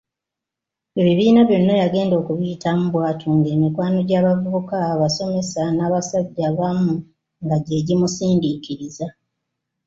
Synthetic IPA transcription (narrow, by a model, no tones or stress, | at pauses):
e̞βiβiːnaβjo̞nːojaɡe̞ːndo̞ːkuβijitʰamuβwaːtʰoŋɡe̞ːmikwaːno̞ɟaːβavuβukaːβaso̞me̞sanaːβasaɟːaβamu | ŋɡaɟe̞ːɟimusiːndikiɾiza